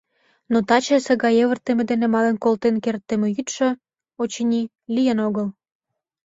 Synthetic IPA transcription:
not̪ɑt͡ɕesĕɣɑjeβə̆rt̪emĕd̪enĕmɑlenkolt̪enkert̪ːemĕyt̪ʃø̆ | ot͡ɕenʲi | lijənoɣəl

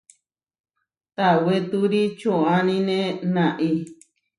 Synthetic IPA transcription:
t̪awet̪uɾit͡ʃõãnĩnẽnãʔi

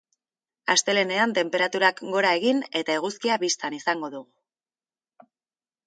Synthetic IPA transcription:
ast̪e̞le̞ne̞ant̪e̞mpe̞ɾat̪uɾakɡo̞ɾae̞ɣine̞t̪ae̞ɣ̞uskiaβist̪anisaŋɡo̞ðuɣu

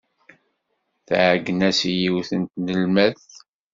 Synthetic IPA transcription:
θʕɡnæsjiwθənt̪nəlmæθ

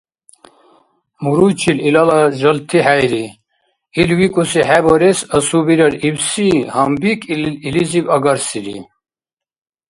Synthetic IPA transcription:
muɾut͡ʃʰililalaʒəlt̪ʰiħajli | ilwikʼusiħɛbɔɾɛsəsubiɾaɾibsihambikʰʼilizibaɡaɾsilḭ

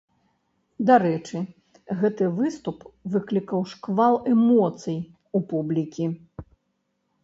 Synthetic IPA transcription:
d̪aɾɛt͡ʂɨ | ɣɛt̪ɨvɨst̪upvɨklʲikɐwʂkvalˠɛmɔt̪sɨj | upublʲikʲi

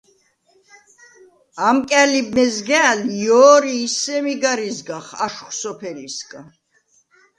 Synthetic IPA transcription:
amkʼɛlibmɛzɡɛːljɔːɾiːsɛmiɡaɾizɡaχaʃχsɔpʰɛɾiskʼa

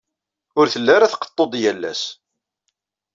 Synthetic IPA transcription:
ʊɾθəlːaɾaθqə̥t̪ˤːod̪ˤjælːæ̰s

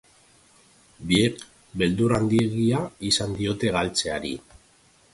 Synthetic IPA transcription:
biek | be̞ld̪uɾand̪ie̞ɣiaisand̪io̞t̪e̞ɣalt͡se̞aɾḭ

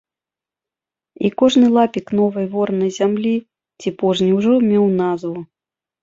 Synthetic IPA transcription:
ikɔʐnɨlˠapʲiknɔvɐjvɔrnɐjzʲamlʲi | t͡sʲipɔʐnʲiwʐɔmʲɛwnazvu

